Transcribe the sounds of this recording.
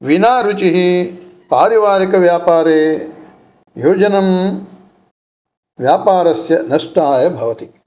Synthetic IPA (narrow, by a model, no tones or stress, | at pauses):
ʋinaːɾut͡ʃiɦipaːɾɐʋaːɾikɐʋjaːpaːɾeː | joːd͡ʒɐnɐm | ʋjaːpaːɾɐsjɐnɐʂʈaːjɐbʱɐʋɐt̪i